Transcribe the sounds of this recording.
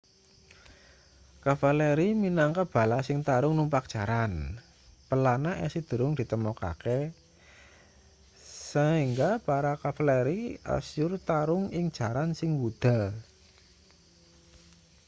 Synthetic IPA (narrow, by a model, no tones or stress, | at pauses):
kafalɛɾiminaŋkab̥a̤lasɪŋt̪aɾʊŋnumpak̚dʒ̥aɾan | pəlanaʔɛsid̪̥ə̤ɾʊŋd̪̥i̤t̪əmɔka̰ke | səiŋɡapaɾakafalɛɾia̰sjʊrt̪aɾʊŋɪŋd̥ʒ̥a̤ɾansɪŋwud̪̥a̤